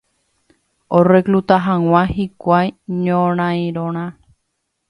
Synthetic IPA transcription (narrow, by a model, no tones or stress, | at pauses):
ore̞klut̪aɦãw̃ãhikʷajɲõɾ̃ãĩɾõɾ̃ã